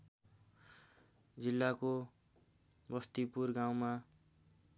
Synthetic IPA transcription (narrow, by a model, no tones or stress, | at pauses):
d͡zilːako | bʌst̪ipurɡaw̃ma